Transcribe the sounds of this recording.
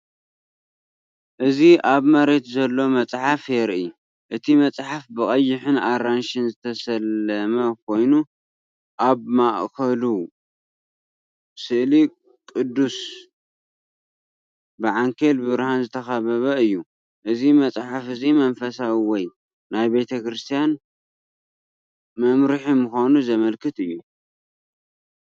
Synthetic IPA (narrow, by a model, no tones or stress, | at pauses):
ʔɨziʔaβmɐɾe̞t̪zɐlːo̞mɐt͡sʼħafjɛɾʔi | ʔɨt̪ʰimɐt͡sʼħafbɨkʼɐjːɪħɨnaɾanʃɨnzɨt̪ʰɐsɐlɐmɐk̚ʰo̞jnu | ʔaβmaʔkʰɐlu | sɨʔli | kʼɨd̪ːus | bɨʕaŋkʰelbɨβɾhanzɨt̪ʰɐxɐβɐβɐɨjːu | ʔɨzimɐt͡sʼħafɨzimɐnfɐsawiwɔj | najbe̞t̪ʰɐkɾɨst̪ʰijan | mɐmɾɨħimɨxonuzɐmɐlkʰɨt̪ɨjːu